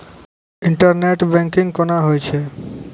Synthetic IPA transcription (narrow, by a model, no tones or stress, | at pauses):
iɳʈaɾneʈbɛŋkiŋkonaɦojt͡ɕʰe